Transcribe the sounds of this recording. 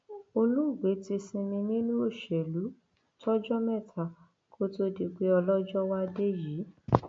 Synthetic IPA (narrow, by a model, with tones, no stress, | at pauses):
o˧lũ˦u˦˨ɡ͡be˨˦ti˧˦sĩ˧nĩ˧nĩ˦nũ˦o˦˨ʃɛ˨lu˨˦ | tʰɔ˦d͡ʒɔ˦mɛ̃˦˨tʰa˨ | kʰo˦to˦di˧k͡pe˦ɔ˧lɔ˦d͡ʒɔ˦wa˦de˦jiː˨˦